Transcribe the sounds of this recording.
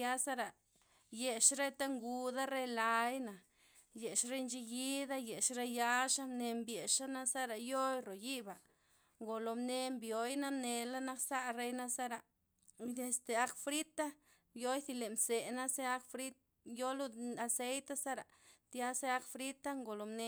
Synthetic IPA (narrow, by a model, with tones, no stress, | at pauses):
ja˦sa˦ɾa˨ | je˨ʂɾe˦t̪a˦ŋɡu˧d̪a˦ɾe˦la˧jna˨ | je˨ʂɾe˦nt͡ʃi˧ji˦d̪a˦je˨ʂɾe˦ja˦ʂa˦mne˧mbje˨ʂa˦na˦sa˦ɾa˨jo˦jɾo˨ji˦ba˨ | ŋɡo˨lo˨mne˧mbjo˨jna˦mne˧la˦na˦ksa˦ɾe˦jna˦sa˦ɾa˨ | e˧st̪e˨a˦kfɾi˦t̪a˦ | jo˦jθi˧le˨mse˨na˦se˦a˦kfɾi˦t̪̚ | jo˦lu˦a˧se˦jt̪a˦sa˦ɾa˨t̪ja˦se˦a˦kfɾi˦t̪a˦ŋɡo˨lo˨mne˧